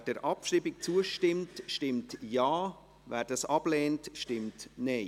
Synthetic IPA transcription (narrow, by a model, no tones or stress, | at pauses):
d̥ɛɾʔɑpʃribɪk̚t͡suəʃtɪmtʃtɪmtjaː | vɛːɾdɑsɑb̥lɛːntʃtɪmtneɪ